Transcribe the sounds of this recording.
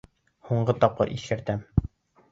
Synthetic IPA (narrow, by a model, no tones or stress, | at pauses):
huɴɢɤt̪ɒp̚qɤ̰ɾʔḭskɘ̆ɾt̪æm